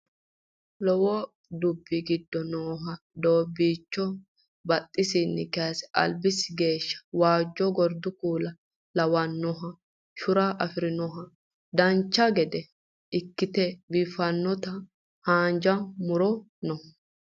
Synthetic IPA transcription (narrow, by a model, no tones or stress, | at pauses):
lɔwɔ | d̪ʊbːɪɡɪd̪ːɔnoːɦɐ | d̪oːbiːt͡ʃːɔ | bɐt̪ʼːɪsɪnːɪkeːsɛ̥ʔɐ̰lbɪsɪɡe̞ːʃːɐ̥waːd͡ʒːɔɡɔɾd̪ʊkuːlɐ | lɐwɐnːɔɦɐ | ʃʊɾɐʔɐfɪɾɪnɔɦɐ | d̪ɐnt͡ʃːɐɡɛd̪ɛ | ʔɪkːɪt̪ɛbifɐnːɔt̪ɐ | haːnd͡ʒɐmʊɾɔ | nɔ